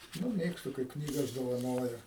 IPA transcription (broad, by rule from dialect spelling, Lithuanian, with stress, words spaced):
nʊ ˈmʲeːkstʊ kɐɪp ˈknʲiːɡɐs doːʋɐˈnoːjɛ